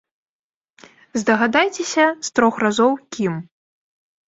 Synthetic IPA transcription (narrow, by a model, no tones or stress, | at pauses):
zd̪ɐɣad̪ajt͡sʲɛsʲɐst̪ɾɔxrazɔwkʲim